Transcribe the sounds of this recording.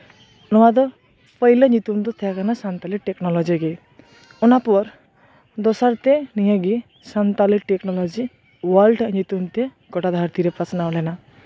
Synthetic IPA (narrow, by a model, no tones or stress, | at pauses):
nɔwad̪ɔ | pʌilɔɲit̪unt̪ɔt̪ʰjakanasant̪aliʈeknɔlɔd͡ziɡej | unapɔɾ | d̪ɔsaɾt̪enijʌ̃ɡi | sant̪aliʈeknɔlɔd͡zi | wɔlɖɲit̪unt̪e | ɡɔʈad̪ʱaɾt̪iɾepat͡snawlena